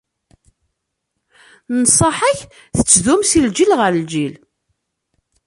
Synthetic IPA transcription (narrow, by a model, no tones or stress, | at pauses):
nsˤɑħəç | θət͡sːðumsild͡ʒilʁəɾld͡ʒil